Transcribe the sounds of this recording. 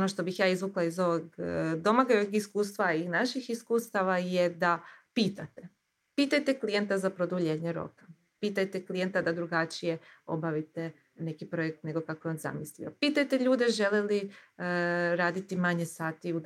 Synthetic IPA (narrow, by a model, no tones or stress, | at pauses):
onoʃt̪o̞bixjaːizʋuklˠaizo̞ʋoɡd̪o̞maɡaoʋiɡiskuːst̪ʋainaʃixiskuːst̪aʋajed̪apiːt̪at̪e | piːt̪ajt̪e̞klije̞nt̪azapɾo̞d̪uʎeːɲeɾo̞̰kḁ | piːt̪ajt̪eklije̞nt̪ad̪ad̪ɾuɡat͡ʃije̞o̞̰baʋit̪e | ne̞kipɾo̞jek̚t̪ne̞ɡo̞kakojeonza̰mislḭopiːt̪ajt̪e̞ʎuːd̪eʒe̞leli | ɾaːd̪it̪imaɲe̞saːt̪iu